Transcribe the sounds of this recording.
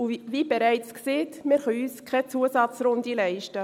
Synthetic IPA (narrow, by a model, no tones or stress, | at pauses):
uvib̥eɾɛɪt͡skseːtmɪːɾχœyːskʰɛt͡suəsɑt͡sɾʊndilɛɪʃtə